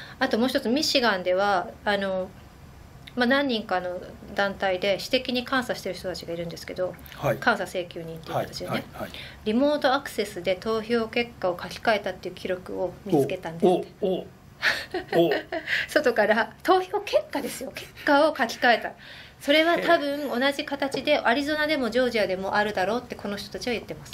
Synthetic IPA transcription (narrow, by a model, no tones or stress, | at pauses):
at̪o̞mo̞ːɕç̥it̪ot͡sɨmʲiɕiɡãnd̪e̞β̞aːno̞ | manãɲ̟ːĩŋkano̞d̪ãnt̪aid̪e̞ɕi̥t̪e̞kʲiɲ̟ikãɰ̃saɕi̥t̪e̞ɾɯ̟ç̥t̪o̞t̪at͡ɕiɡaiɾɯ̟̃nd̪e̞sɨ̥ke̞d̪o̞hkãɰ̃sase̞ːkʲɨːɲ̟ĩnt̪eiat̪at͡ɕinne | ɾʲimo̞ːt̪o̞akɯ̟̥se̞sɨd̪e̞t̪o̞ːço̞ːke̞kːao̞kakʲi̥kae̞t̪at̪ːe̞iɯ̟kʲiɾo̞kɯ̟o̞mʲit͡sɨ̥ke̞t̪ãnd̪est̪ːe | so̞t̪o̞kaɾat̪o̞ːço̞ːke̞kːad̪e̞sɨjo̞ke̞̥kkːao̞kakʲi̥kae̞t̪a | so̞ɾe̞βat̪abɯ̟̃ɴ̃o̞naʑikat̪at͡ɕid̪e̞ʔaɾʲizo̞nad̪e̞mo̞ʑo̞ːʑiad̪e̞mo̞ʔaɾɯ̟d̪aɾo̞ːt̪ːe̞ko̞no̞çi̥t̪o̞t̪at͡ɕiβajɯ̟t̪ːe̞masɨ̥